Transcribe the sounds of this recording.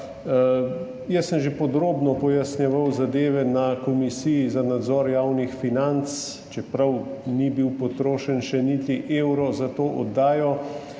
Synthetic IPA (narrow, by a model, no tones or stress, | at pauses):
jɛsːəmʒepɔd̪ɾoːbnɔpɔjasnjɛʋawzad̪eːʋɛnakɔmisijizanad̪zɔːɾjaːwnixfinant̪s | t͡ʃɛpɾawnibiwpɔt̪ɾoːʃənʃɛnit̪iʔeːwɾɔzat̪oːʔɔ̰d̪ːaːjɔ